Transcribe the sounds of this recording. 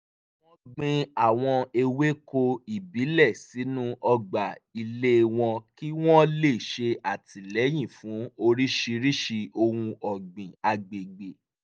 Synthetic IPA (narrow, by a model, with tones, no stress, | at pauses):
w̃ɔ̃˦ɡ͡bĩ˧a˨w̃ɔ̃˧e˧we˦ko˧i˨bi˨˦lɛ˦˨si˨˦nũ˦ʔɔ˧ɡ͡ba˨i˧le˦˧w̃ɔ̃˧ki˦w̃ɔ̃˦le˦˨ʃe˧a˨tʰi˨lɛ˨˦j̃ĩ˦˨fũ˨˦o˧ɾi˦ʃi˧ɾi˦ʃi˧o˧hũ˧ɔ˨ɡ͡bĩ˨a˧ɡ͡be˨ɡ͡be˨